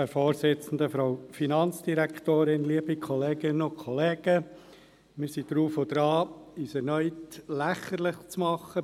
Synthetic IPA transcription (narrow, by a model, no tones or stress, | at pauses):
ɛɾfoːɾsɪt͡sn̩d̪əfɾaʊfinɑnt͡sd̥iɾæktoːɾɪnliːəbikʰɔleːɡɪnʊnkʰɔleːɡ̥ə | mɪɾsidɾuːfod̥ɾɑːisɛɾnœʏtlæχəɾlɪχt͡smɑχə